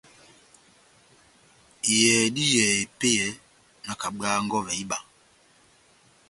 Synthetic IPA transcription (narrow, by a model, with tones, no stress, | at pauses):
i˨jɛː˨di˦jɛ˨e˨pe˦jɛ˨˦ | na˨ka˨ɡaː˦ŋɡɔ˦vɛ˨i˦ɓa˨